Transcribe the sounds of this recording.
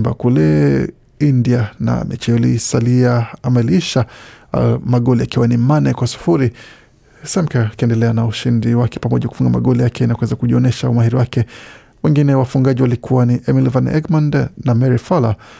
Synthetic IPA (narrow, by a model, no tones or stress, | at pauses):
mbakulɛ | indiana̰mʔɛ̰t͡ʃɛɔlisaliaamailiʃa | maɠɔlijakiwanimanɛkwasu̥fuɾi | sɛmkakiɛndɛlɛanauʃindiwakɛ̥pamɔʄaku̥fuŋɡama̰ɠɔlijakɛinakwɛzakuʄiɔnɛʃaumahiɾiwakɛ | wɛŋɡinɛwafuŋɡaʄiwalikuwaniʔɛmilvanɛ̰ɡmandnamɛɾifala